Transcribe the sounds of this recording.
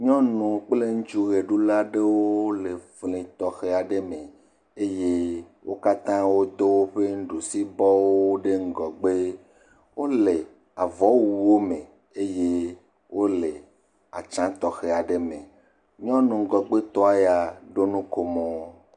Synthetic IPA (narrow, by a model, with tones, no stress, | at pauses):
ɲɔ̃˦nũ˨k͡ple˦ŋũ˦t͡ʃu˦ɣe˨ɖu˦la˦ɖe˦wo˦le˨flĩ˨t̪ɔ˨xe˨a˨ɖe˦mẽ˨ | e˦je˦ | wʔo˦ka˦t̪ã˦wo˦d̪o˦wo˦ɸe˦ŋ̩˦ɖu˨si˦bɔ˦wo˦ɖe˦ŋ̩˦ɡɔ˨ɡ͡be˦ | wo˦le˨ | a˨vɔ˨˦wu˨wo˦mẽ˨ | e˦je˦ | wo˦le˨ | a˨t͡ʃã˦t̪ɔ˨xe˨a˨ɖe˦mẽ˨ | ɲɔ̃˦nũ˨ŋ̩˦ɡɔ˨ɡ͡be˦t̪ɔ˦a˨ja˨ɖo˦nũ˦ko˨mo˨˦